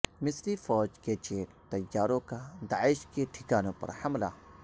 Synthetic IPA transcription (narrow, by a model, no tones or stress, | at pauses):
mɪslifɔːd͡ʒket͡ʃeːkt̪ɐjːaːɾõkad̪aːɪʃkeʈʰɪkaːnõpɐ̰ɾhɐmla̰ː